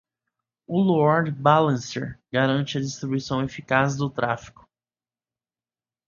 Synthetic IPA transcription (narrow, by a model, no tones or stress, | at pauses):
ʊloɔɾd̪balẽsɛ̰ɾɡaɾɐ̃nt͡ʃɪɐd͡ʒist̪ɾibuisɐ̃w̃efikazd̪ʊt̪ɾʔafi̥kʊ̥